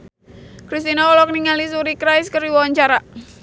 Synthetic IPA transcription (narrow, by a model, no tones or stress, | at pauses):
kɾis̬t̪inɔɔlɔk̚niŋalisuɾikɾaɪskəɾiwɔwaɲt͡ʃaɾa